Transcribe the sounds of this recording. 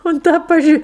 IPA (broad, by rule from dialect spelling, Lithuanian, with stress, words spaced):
ʊnt ˈtɑː pɐˈʒʲiː